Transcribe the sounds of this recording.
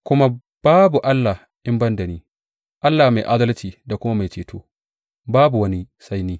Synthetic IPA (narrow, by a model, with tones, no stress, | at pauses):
kʷʊ˦ma˦ | b̥aː˦bu˨ʔa˦lːa˨h | ʔɪ˦mbɐ˦nda˨niː˦ | ʔa˦lːa˨ma˨jʔa˦dɐ˦lt͡ʃiː˨da˨kʷʊ˦ma˦ma˨jt͡ʃeː˨tʰo̰ː˦ | baː˦bu˨wɐ˦ni˦sa˦jniː˦